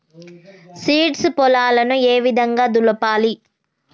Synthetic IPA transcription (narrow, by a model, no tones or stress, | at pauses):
siːʈspɔlaːlɐnueːʋid̪ʱɐŋɡaːd̪ulɐpaːli